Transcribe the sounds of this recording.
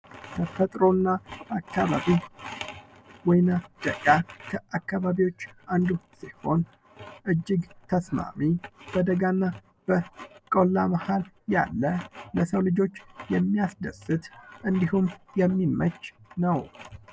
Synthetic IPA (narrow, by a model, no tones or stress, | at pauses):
kʰəfət̪ʼɾo̞nːaakːaβa̰βi | wɔjnad̪̥əɡʼakʰəakːaβaβiwo̞t͡ʃːʔand̪usiho̞n | ʔɨd͡ʒːɪɡt̪ʰəsma̰mib̥əd̪əɡanːa | b̥əkʼolːamahal | ja̰lːələsəwlɨd͡ʒo̞t͡ʃːjɛmːijasd̪əsɨt̪ʔɨnd̪ihumjɛmːimət͡ʃːnəw